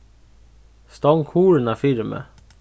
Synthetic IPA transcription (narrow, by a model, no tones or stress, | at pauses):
st̪ɑŋkʰuːɹənæːfɪɾmə̰